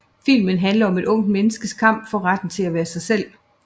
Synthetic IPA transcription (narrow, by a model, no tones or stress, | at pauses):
fil̰mənɦænlɐɒ̽me̝ɾ̥ɔ̽ŋ̰d̥̚menəsɡ̥əskʰɑ̈m̰b̥fɒ̽ʁad̥n̩t͡sʰe̝læʋæːɐsɑ̈ɪsel̰